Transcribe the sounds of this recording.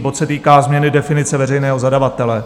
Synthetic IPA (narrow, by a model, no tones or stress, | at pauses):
bo̞t̪sɛt̪iːkaːzmɲɛnɪdɛfɪnɪt͡sɛvɛrɛjnɛːɦo̞zadavat̪ɛlɛ